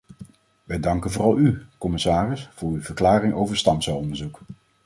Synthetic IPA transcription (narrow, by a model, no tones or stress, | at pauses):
ʋɛjdɑŋkənvʊːrɑlˠykɔmɪsaːrɪsfʊːɹyv̥əɹklaːɾɪŋowvəɹstɑmsaɔndəɹzuk